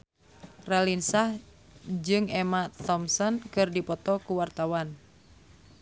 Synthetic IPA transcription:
ralinsah | d͡ʒɨŋɛmat̪ɔmsɔnkɨrdipɔt̪ɔkuwart̪awan

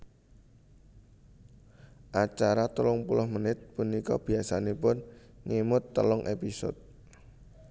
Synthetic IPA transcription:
ʔat͡ʃaɾat̪əlʊŋpulʊhmənɪt̪̚punikɔ̰b̥i̤asanepʊn | ŋemʊt̪ːə̰lʊŋʔepisɔ̰t̪̚

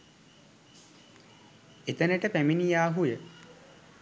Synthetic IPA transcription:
et̪ənəʈəpæminijaːɦujə

